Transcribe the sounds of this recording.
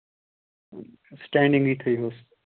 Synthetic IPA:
sʈɛ̃ːɳɖɪ̃ŋɡiːt̪ʰɐiːɦoːs

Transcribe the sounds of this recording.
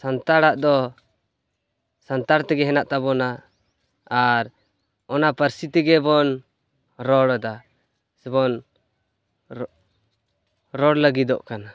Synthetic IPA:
sant̪aɽaʔd̪ɔ | sant̪aɽt̪ɛɡɛɦɛnaʔt̪abɔnaː | ɾ | ɔnapəɾsit̪iɡɛbɔn | ɾɔɽɔd̪a | sɛbɔn | ɾɔɽləɡid̪ɔʔkana

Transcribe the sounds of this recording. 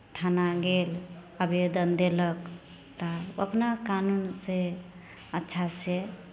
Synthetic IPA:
ʈʰanaɡel | əbed̪ənd̪elək | t̪ɔə̰pnakanunse | ətːʃʰase

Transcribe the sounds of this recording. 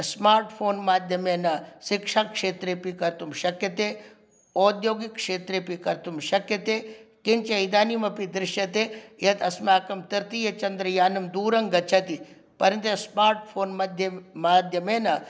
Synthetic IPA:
smaːɾʈpʰoːnmaːd̪ʱjɐmenɐsɪkʂakʂeːt̪ɾepikɐɾt̪umʃɐkjɐt̪eː | oːd̪joːɡikːʂeːt̪ɾepikɐɾt̪umʃɐkjɐt̪eːkɪnt͡ʃɐid̪aːnimɐpid̪ɾɪʃjɐt̪ejɐt̪ɐsmaːkɐmt̪ɐɾt̪ijɐt͡ʃɐnd̪ɾɐjaːnɐmd̪uːɾɐŋɡɐt͡ʃʰɐt̪i | pɐɾɐnt̪ujɐsmaːɾʈ̚pʰoːnmɐd̪ʱjɐmaːd̪ʱjɐmeːnɐ

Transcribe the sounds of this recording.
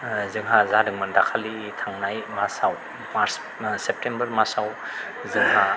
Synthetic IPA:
zɯŋɦazadɯŋmandakʰalitʰaŋnajmasaw | maɾs | sep̚tembɐɾmasaw | zɯŋɦa

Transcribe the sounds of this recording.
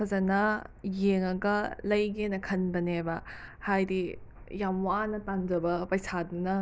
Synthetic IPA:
kʰɐzɐnɐjeŋɐɡɐlɐjɡenɐkʰɐnbɐnebɐhajdi | jamwanɐtand͡ʒɐbɐpɐjsʰadunɐ

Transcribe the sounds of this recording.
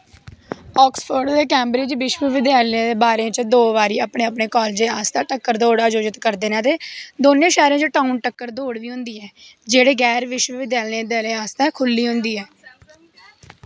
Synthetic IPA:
ɔːkspfʰəɾɖd̪eːkɛːmbɾɪːd͡ʒʋɪʃʋəʋɪd̪jaːlẽːd̪eːbaːɾẽːt͡ʃd̪oːʋaːɾiːaːpɳẽːaːpɳeːkɔːld͡ʒ̪eːaːst̪ãːʈəkːəɾd̪oːɽaːd͡ʒoːd͡ʒɪt̪kəɾd̪eːnãːt̪eːd̪oːnẽːʃɛːɾẽːt͡ʃoʈaːunʈəkːəɾd̪oːɽʋiːɦʊ̃nd̪iːɛːd͡ʒeːɽeːɡɛːɾʋɪʃwəʋɪd̪jaːlẽd̪eleːaːst̪ɛ̃ːkʰʊlːiːɦʊ̃nd̪iːɛː

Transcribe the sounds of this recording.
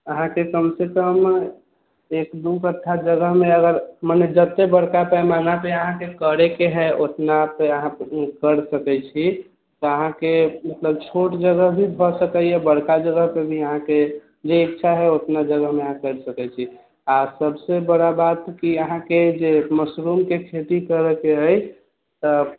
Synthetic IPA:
əɦãkekəmsekəm | ekd̪ukəʈ̪ʰːad͡ʒəɡəɦmeəɡəɾməned͡ʒət̪ːebəɽkapɛmanapeəɦãkekəɾekeɦɛʔot̪napeəɦãkəɾsəkɛt͡ʃʰi | t̪ɔəɦãkemət̪ləb̚t͡ʃʰoʈd͡ʒəɡəɦbʱibʱɔsəkəɛbəɽkad͡ʒəɡəɦpebʱiəɦãke | d͡ʒeːkt͡ʃʰaɦɛot̪nad͡ʒəɡəɦmeəɦãkəɾsəkɛt͡ʃʰi | asəbsebəɽabat̪kiəɦãked͡ʒeməsɾumkekʰet̪ikəɾəkeəj | t̪ɔ

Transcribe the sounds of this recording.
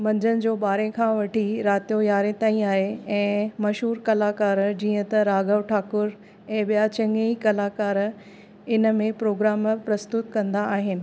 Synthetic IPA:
mɐ̃ɲd͡ʑənɪ̆d͡ʑoːɓaːɾẽkʰãːʋɐʈʰiɾaːt̪ijojaːɾẽt̪aːĩaːɦeɛ̃ːmɐʃɦuːɾkɐlaːkaːɾd͡ʑiːə̃t̪ɐɾaːɡəʋʈʰaːkʊɾ | ɛ̃ːɓijat͡ɕɐ̃ŋɡeikɐlaːkaːɾ | ɪnə̆mẽpɾoːɡɾaːmpɾɐst̪ʊt̪kɐ̃nd̪aːɦɪnɪ̆

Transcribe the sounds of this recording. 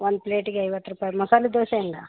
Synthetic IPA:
ʋond̪̚pleːʈiɡeɐjʋɐt̪ːɾupaːjmɐsaːlid̪oːʃeɳɖa̰

